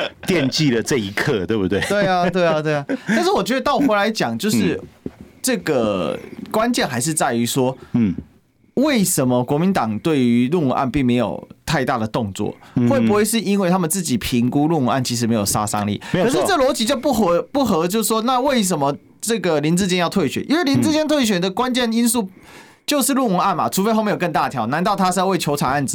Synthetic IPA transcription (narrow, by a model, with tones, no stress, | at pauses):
t̪jɛ˥˧nt͡ɕi˥˨lə˨˩ʈ͡ʂɤ˥˧i˦˥kʰɤ˥˧t̪we˥˧bu˥˧t̪we˥˩ɪt̪we˥˩ɪa˨˧t̪we˥˩ɪa˨t̪we˥˩a˨t̪a˥˧nʂ̬̩˥˩wɔ˨˩t͡ɕɥɛ˧˥d̪ə˧t̪ɑ˥˩ʊ˨˩we˧˥la˧˦ɪt͡ɕjɑ˨˩ŋt͡ɕjo˥˧ʊʂɻ̩˥˩ʈ͡ʂɤ˥˩ɡə˩kwa˦nt͡ɕjɛ˥˨nxa˧˥ɪʂ̬ɻ̩˥˧t͡sa˥˩ɪy˧˥ʂwɔ˥ | we˥˩ɪʂə˧˦nmə˨kwɔ˧˥mi˨˦nt̪ɑ˨˩ŋt̪we˥˩ɪy˧˦lu˥˩ŋ˨˩ʔa̰˥˧˨npi˥˩ŋme˧˥ɪjo̰˨˩ʊt̪ʰa˥˧ɪt̪a˥˩d̪ə˩t̪o˥˧ŋt͡swɔ̰˥˩xwe˥˩ɪpu˧˥xwe˥˧ɪʂ̬ɻ̩˥˩i˥nwe˥˩t̪ʰa˥mə˨nt͡sɹ̩˥˩t͡ɕi˨˩pʰi˧˥ŋku˥lu˥˩ŋu˧˥ŋa̰˥˩nt͡ɕʰi˧˥ʂ̬ɻ̩˧˥me˧˥ɪjo˨˩sa̰˥sɑ̰˥ŋlḭ˨˩kkʰɤ˨˦ʂɻ̩˥˧t͡sə˥˩əlwɔ˧˥t͡ɕi˧˥t͡ɕjo˥˧ʊpu˥˩xpu˥˩xɤ˧˥t͡ɕjo˥˧ʊs̩˥˩ʂwɔ˥na˥˧we˥˩ɪʂ̬ə˧˦nmə˧ | ʈ͡ʂɤ˥˩ɡə˩li˧˥nt͡sɹ̩˥˧t͡ɕjɛ˥njɑ˥ʊt̪ʰwe˥˩ɪɕɥɛ˨˩˦ʔḭ˥nwe˥˩ɪli˧˥nt͡sɹ̩˥˧t͡ɕjɛ˥nt̪ʰwe˥˩ɕ̬ɥɛ˨˩d̪ə˨kwa˦nt͡ɕjɛ˥˩ni˥nsu˥˩ | t͡ɕjo˥˧ʊʂɻ̩˥˧lu˥˩ŋu˧˥ŋa˥˩nma̰˩ʈ͡ʂʰu˧˥fe˥ɪxm˧˥jkə˥˧nt̪a˥˨t̪ʰjɑ˧˥ʊna˧˥nt̪ɑ˥˩ʊt̪ʰa˥ʂ̩˥˧˥we˥˩ɪt͡ɕʰjo˧˥ʊʈ͡ʂʰɑ˨˩ŋa˥˩nd͡z̩˨˩